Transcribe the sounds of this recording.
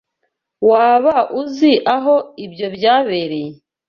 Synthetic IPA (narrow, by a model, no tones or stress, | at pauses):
waːβaʔuziʔaɦoibjo̞bjaːβeɾe